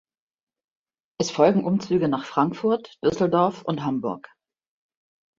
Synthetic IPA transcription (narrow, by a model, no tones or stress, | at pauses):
ʔɛsfɔlɡŋ̩ʔʊmt͡syːɡənaːχfʁ̥aŋkfʊɐtd̥ʏsl̩dɔɐfʊ̰ntɦambʊɐk